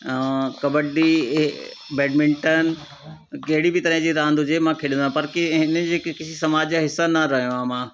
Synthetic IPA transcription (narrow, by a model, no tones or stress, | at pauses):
kɐbəɖi | bɛːɖmɪ̃ɳʈən̆ | kɐɦɪɽibɪt̪ɐɾəɦɪ̃d͡ʑiːɾãːnd̪ʊd͡ʑemãkʰɪɽɪ̃nd̪ãpɐɾkɪɦɪnəd͡ʑeːkɪsisɐmaːd͡ʑaɦɪsːanɐɾɐɦijõaːmãː